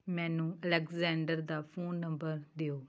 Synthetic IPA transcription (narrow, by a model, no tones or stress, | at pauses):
mɛ̃ːnũːəlɛkzɛ̃ːɳɖəɾd̪aːpʰoːnːə̃mbəɾd̪eːoː